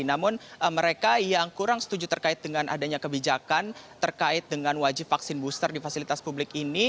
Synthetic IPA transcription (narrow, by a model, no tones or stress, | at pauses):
namʊnʔəməɾekajaŋkuɾaŋsə̥t̪ud͡ʒut̪ərkaɪt̪̚dəŋanʔa̰daɲakəbid͡ʒakant̪ərkaɪt̪̚dəŋanwad͡ʒɪpfaksɪnbust̪ərdifasilit̪aspublɪkini